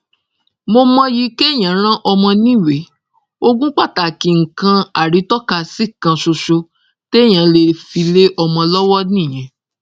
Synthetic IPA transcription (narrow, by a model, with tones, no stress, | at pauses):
mo˧mɔ̃˧ji˧ke˦˨j̃ã˨˦ɾ̃ã˦ʔɔ˧mɔ̃˧nĩ˦˨we˨˦ | o˧ɡũ˦k͡pa˦˨ta˨ki˧ŋ̩˨kã˧a˨ɾi˨˦tɔ˦ka˧si˦kã˧ʃo˧ʃo˧ | te˦˨j̃ã˨˦le˧fi˧le˦ʔɔ˧mɔ̃˧lɔ˦wɔ˦nĩ˦˨j̃ɛ̃˨˦